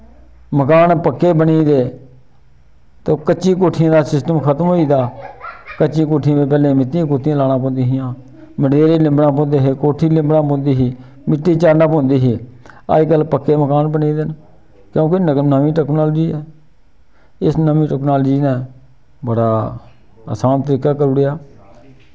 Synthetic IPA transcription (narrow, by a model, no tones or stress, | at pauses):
məkaːnpəkːeːbəniːd̪eː | t̪oːkət͡ʃiːkoːʈʰɪjãːd̪aːsɪsʈəmkʰət̪mɦoːiːd̪aːkət͡ʃiːk̬oːʈʰijãːʋeːp̬ɛːlẽːmɪt̪ːiãːkoːʈʰijãːlaːɽ̃ãːpõːnd̪iːɦɪjãː | məɖeːɾiːlɪ̃mbɽãːpõːnd̪eːɦeːkoːʈʰːiːlɪ̃mbɽãːpõːnd̪iːɦiː | mɪʈːiːt͡ʃaːnãːpõːnd̪iːɦeːa̰ːɡəlpəkːeːməkaːnbəneːd̪ɪn | kjõːkennəʋĩːʈɛːknaːld͡ʒiːɛː | ɪsnəʋĩːʈɛːknaːld͡ʒiːnɛ̃ː | bəɽaː | ə̰saːnt̪əɾiːkaːkəɾʊɽejaː